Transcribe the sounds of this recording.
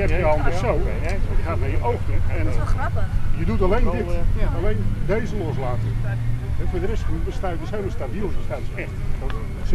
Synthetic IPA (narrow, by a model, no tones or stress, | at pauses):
ɛpjəɔlˠənpəsow | jəxaːtnajəʔowxtəɛrapəjədutalejndɪalejndejzəlɔslaːtəɛfuːdərɛstχrupəstaːjədəsejlməstabilˠəstaːtəs